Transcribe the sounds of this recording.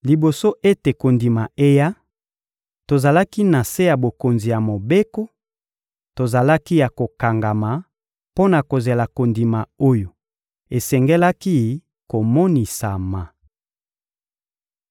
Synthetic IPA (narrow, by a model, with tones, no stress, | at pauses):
li˨bo˨so˦ʔe˦te˨ko˨ndi˨ma˨ʔe˦ja˦ | to˨za˨la˦ki˦na˨se˦ja˨bo˨ko˨nzi˨ja˨mo˨be˦ko˦ | to˨za˨la˦ki˦ja˨ko˨ka˨ŋɡa˨ma˨ | po˦na˨ko˨ze˨la˨ko˨ndi˨ma˨o˦jo˨ | e˨sɛ˨ŋɡɛ˦la˦ki˦ | ko˨mɔ˦ni˨sa˨ma˨